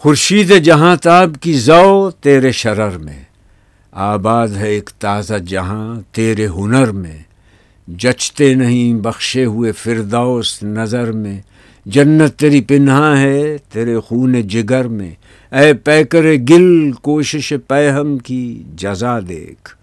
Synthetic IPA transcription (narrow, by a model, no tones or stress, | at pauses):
xʊɾʃiːd̪ɦɛd͡ʒɐɦãt̪aːbkizaot̪eːɾeʃɐɾəɾmḛ̃ | aːbaːd̪ɦɛeːkt̪aːzad͡ʒɐɦãt̪eːɾeɦʊnəɾmḛ̃ | d͡ʒɐt͡ʃt̪enɐɦĩbɐxʃeɦʊefɪɾd̪asnɐzəɾmẽ | d͡ʒɐnːət̪ːeːɾipɪnɦãɦɛt̪eːɾexuːned͡ʒɪɡəɾmḛ̃ | ɛːpɛːkəɾeɡɪlkoːʃɪʃepɛːɦəmkid͡ʒɐzad̪ḛːkʰ